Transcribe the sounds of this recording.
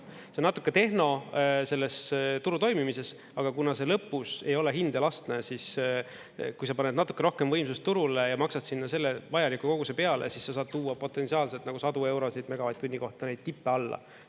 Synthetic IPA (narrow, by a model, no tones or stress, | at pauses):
ssenːɑt̪ːˑukːet̪e̞hno̞se̞lːe̞st̪uɾut̪o̞jmimise̞s | ɑɡ̥ɑkunɑse̞lɤpːˑuse̞̰jo̞le̞ɦind̪elɑst̪nesis | kujsɑpɑned̪nɑt̪ːˑu̥kːˑe̞ɾo̞hke̞mvɤjmsust̪ːuɾulejɑmɑksɑd̪sinːɑse̞lːevɑjɑlikːˑuko̞ɡusepeɑlʔḛsisːɑs̬ɑːd̥̪̚t̪uːɑpo̞t̪ːˑe̞nsiɑːlselt̪nɑɡusɑd̪ue̞wɾo̞sid̪meɡ̥ɑvɑjt̪ːunʲːiko̞ht̪ːɑne̞jd̪̥̚t̪ipːeɑlːɑ̰